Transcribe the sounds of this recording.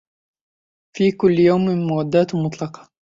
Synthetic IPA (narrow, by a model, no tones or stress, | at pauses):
fiːkʊlːjawmɪlmʊwad̪ːaːt̪mʊt̪ˤlɑqɑ̥